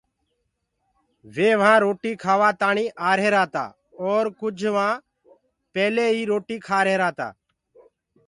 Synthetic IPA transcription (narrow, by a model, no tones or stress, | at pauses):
ʋeːʋãːɾoːʈiːkʰaːʋaːt̪aːɳiːʔaːɾɦeːɾaːt̪a̰ː | ɔːɾkʊd͡ʒʱʋãː | pɛːleːiːɾoːʈiːkʰaːɾeːɾaːt̪a̰ː